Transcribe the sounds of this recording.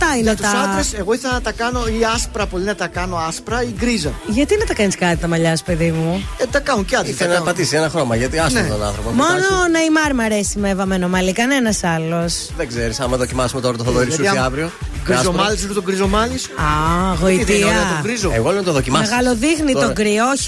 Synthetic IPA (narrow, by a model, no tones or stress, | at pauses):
t̪ɐinet̪uɐsɐese̞ɣoiθɐt̪ɐkɐno̞iɐspɾɐpo̞linɐt̪ɐkɐno̞ɐspɾɐiɡɾizɐʝɐt̪inɐt̪ɐkɐniskɐt̪it̪ɐmɐʎɐst̪pe̞ðimuet̪ɐkɐnuncɐt̪iθelnɐpɐt̪isienɐxɾo̞mɐʝɐt̪iɐst̪t̪onɐ̰nθɾo̞pomo̞nonɐimɐɾmɐɾe̞simevɐme̞nomɐlikɐne̞nɐsɐlo̞s | ðeɡzeɾisɐmːɐðo̞cimɐsumet̪oɾɐt̪oθoðoiɾsɐiɐvɾioɡɾizomɐliseɾot̪oɡɾizomɐlisɐɣoit̪iɐoɡɾizoeɣolenɐt̪oðo̞cimɐseɣɐlo̞ðixnitt̪oɡɾioçi̥